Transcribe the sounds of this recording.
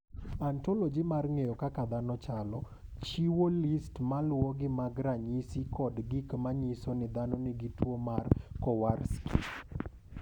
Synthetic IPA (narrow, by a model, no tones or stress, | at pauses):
antolod͡ʒimarŋejɔkakad̪anɔt͡ʃalɔ | t͡ʃiwolistmalwɔɡɪmaɡɾaɲisikɔdɡikmaɲɪsonɪd̪anɔnɪɡɪtwomarkɔwarskʰḭp